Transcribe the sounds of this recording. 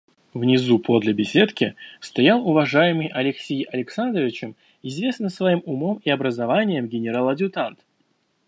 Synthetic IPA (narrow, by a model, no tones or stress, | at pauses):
vnʲɪzupʰo̞d̪lʲɪbʲɪsʲe̞t̪kʲɪst̪ɐjalˠʊvɐʐajɪmɨjʔɐlʲɪksʲejʔɐlʲɪksand̪ɾəvʲɪt͡ɕɪm | ɪzʲvʲe̞snɨsvɐimʊmomɪɐbɾəzɐvanʲɪjəmɡʲɪnʲɪɾalˠɐdʲʊt̪ant̪